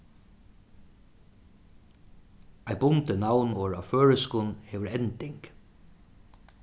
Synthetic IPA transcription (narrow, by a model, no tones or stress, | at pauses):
æɪbʊnt̪ənawnɔːɹaføːɹəskʊnheːʋəɹɛnt̪ɪŋk